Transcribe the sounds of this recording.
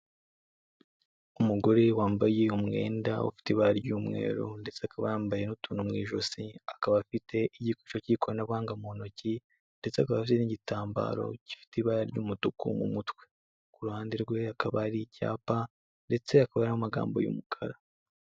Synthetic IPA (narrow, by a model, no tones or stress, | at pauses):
umuɡo̞ɾe̞waːmbaje̞umŋe̞̰ːndaṵfi̥tiβaːɾaɾɟuːmŋe̞̰ːɾṵnde̞t͡seakaβa̰ɾaːmbajenutuːnumŋiːʒosiakaβafite̞ʔiɟiku̥t͡ʃociːkoɾanaβhaːŋɡamono̞ci | nde̞t͡seakaβafiteniɟitaːmba̰ːɾo̞̰ci̥fi̥tiβaɾaɾɟuːmutukṵmṵmutwe̞ | kuɾuhaːndiɾɡwe̞akaβaɾica̰ːpa | nde̞t͡se̞akaβaɾamumaɡa̰ːmbo̞̰jṵmukʰaɾa